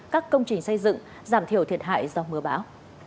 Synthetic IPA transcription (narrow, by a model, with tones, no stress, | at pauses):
kaː˦˥kːə˧wŋ͡mt͡ɕï˨˩ŋ̟sə˧jzɨ̰˧˨ŋ | zaː˧˩mt̪i˧˩əwt̪ʰi˨˩ət̚ɦa̰ː˧˨jzɔ˧mɨ˨˩əɓaː˨˦w